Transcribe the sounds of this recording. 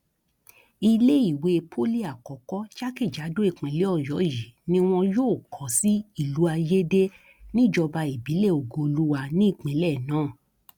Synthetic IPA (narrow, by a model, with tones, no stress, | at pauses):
i˧le˦i˦˨we˨˧pʰo˦li˦a˨kɔ˨˦kɔ˦t͡ʃa˦ki˦˨d͡ʒa˨˦do˦e˦˨k͡pĩ˨˦le˨˦ɔ˦˨jɔ˨˦ji˨˦nĩ˦w̃ɔ̃˧joː˦˨kʰɔ̃˨si˦i˦˨lu˨˦a˧je˦de˦ | nĩ˦d͡ʒɔ˧ba˧i˨bi˨˦lɛ˦˨o˨ɡo˧lu˦wa˧nĩ˦i˦˨k͡pẽ˨˦lɛ˦˨nãː˨˦˨